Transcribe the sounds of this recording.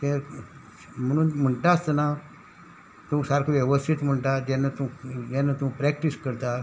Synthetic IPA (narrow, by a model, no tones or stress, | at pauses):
t̪ẽɾ | m̤əɽ̃uːnm̤əɳʈast̪əna | t̪ũːsaɾkʰʋjɛʋəst̪ʰit̪m̤əɳʈat̪ɛnːat̪ũːd͡ʑãnːat̪ũːpɾɛk̚ʈiskəɾt̪a